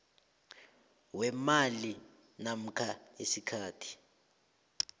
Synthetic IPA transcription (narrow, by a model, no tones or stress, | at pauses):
wɛmali | nam̩kʰaesikʰaːtʰi̥